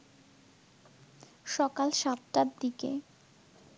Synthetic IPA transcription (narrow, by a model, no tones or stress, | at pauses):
ʃɔkalʃat̪ʈad̪ikḛ